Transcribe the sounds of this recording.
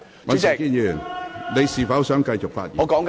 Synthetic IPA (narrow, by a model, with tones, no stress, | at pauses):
mɐ˨˥skiː˥˩njy˨˩nle˨˧jsiː˨˩fɐ˨˥wsœ˨˥ŋkɐ˧jt͡ʃʊ˨k̚fa̰ː˧t̚jiː˨˧kɔː˨˥ŋk